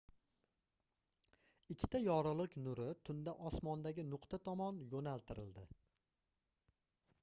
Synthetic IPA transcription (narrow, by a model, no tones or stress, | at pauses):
ɪkʲʰːɪ̥t̪ʰajɒɾɨlˠɨkʲnʊɾɪt̪ʰʊnd̪aʔɒsmɒnd̪aɡʲɪnʊqt̪ʰat̪ʰɒmɒnjonalt̪ʰɪɾɪlˠd̪ɪ